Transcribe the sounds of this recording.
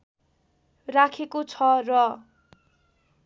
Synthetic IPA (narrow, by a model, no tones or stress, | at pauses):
rakʰekot͡sʰʌrʌ